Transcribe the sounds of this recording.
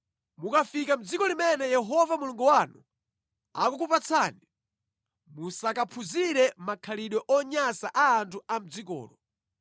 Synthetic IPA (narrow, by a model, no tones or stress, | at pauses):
mukafikam̩d͡zikɔlimɛnɛjɛɦɔvamuluŋɡuwanu | a̰kukupat͡sʰaːni | musakapʰuziɾɛmakʰaliɗwɔʔɔɲasaʔaːntʰuam̩d͡zikɔ̰ːlɔ